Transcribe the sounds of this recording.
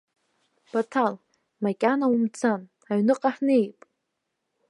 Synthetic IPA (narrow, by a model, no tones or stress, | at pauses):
b̥atʰal | makʲʼanaumt͡sʰan | aɥnɨqʼaħnɨejpʼ